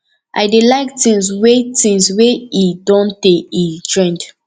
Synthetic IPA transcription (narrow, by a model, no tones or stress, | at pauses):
ʔa̰ɪdelaɪktĩŋswetĩŋsweidɔ̃nteitɹɛ̃nd